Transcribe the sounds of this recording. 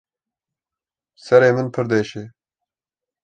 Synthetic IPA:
sɐɾeːmɨnpʰɨɾd̪eːʃeː

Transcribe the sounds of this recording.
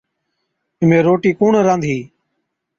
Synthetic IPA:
ɪmẽːɾoːʈiːkuːɳɾãːnd̪ʱiː

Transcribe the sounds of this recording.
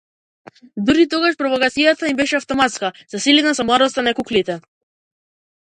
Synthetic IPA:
d̪uɾit̪ɔɡaʃpɾɔvɔkat̪sijat̪aimbɛʃɛaft̪ɔmat̪skaz̥asilinasɔmlˠad̪ɔst̪anakuklit̪ɛ

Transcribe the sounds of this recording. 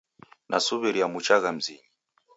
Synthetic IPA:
nʔa̰suβɛɾiamut͡ʃaɣam̩ziɲi

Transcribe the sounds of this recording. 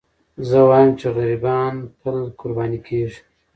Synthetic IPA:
zəwɑjəmt͡ʃeɣaɾibɑːnpəlkʊɾbɑːnikʰeʐi̥

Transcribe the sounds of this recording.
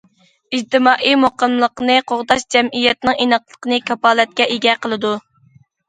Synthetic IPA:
id͡ʒt̪ɨmɑːʔimoqəmlˠəqnɨqʰoʁd̪ɑʃd͡ʒɛmʔijɛt̪nɪŋinəqlˠə̥qənɨkʰʲɑpɑːlˠɛt̪̚kʲɛʔeɡʲɛqʰəlˠɨd̪u

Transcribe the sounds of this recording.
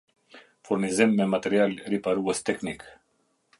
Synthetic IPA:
fuɾnizemːemat̪eɾialʲɾipaɾuəst̪eknik

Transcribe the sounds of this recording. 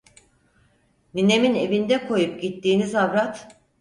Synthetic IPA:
nine̞mine̞vind̪ɛkʰo̞jupɟit̪ːiːnizavɾat̪

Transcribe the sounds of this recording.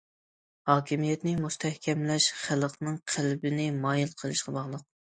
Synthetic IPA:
hɑːkʲʰimijɛt̪nɪmust̪ʰɛhkʲʰɛmlɛʃχælqnɨŋqʰælbɪnɪmɑːjilˠqʰəlˠɨʃqɑbɑʁlˠəq̚

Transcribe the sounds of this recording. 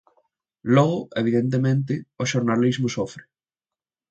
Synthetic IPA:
lɔɣʊeβ̞iðent̪̬emẽnt̪̬ɪoʃoɾnalizmʊsofɾɪ

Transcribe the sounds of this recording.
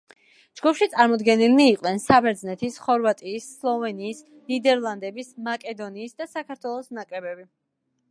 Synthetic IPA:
d͡ʒɡupʰʃit̪sʼaɾmɔd̪ɡɛnilniːqʼnɛnsabɛɾd̪znɛt̪ʰisχɔɾvat̪ʼiːsːlˠɔvɛniːs | nid̪ɛɾlˠand̪ɛbismakʼɛd̪ɔniːsd̪asakʰaɾt̪ʰwɛlˠɔsnakʼɾɛbɛbi

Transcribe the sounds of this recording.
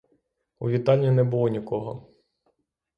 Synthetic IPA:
ṵʋʲit̪ɑlʲnʲinɛbʊlˠɔnʲikɔɦɔ

